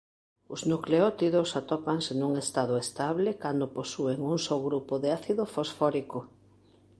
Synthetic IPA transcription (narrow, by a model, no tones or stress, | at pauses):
ʊznukleɔt̪iðosat̪ɔpaŋsenuŋest̪aðʊest̪aβlekand̪oposueŋuŋsɔwɣɾupoðeaθiðʊfosfɔɾiko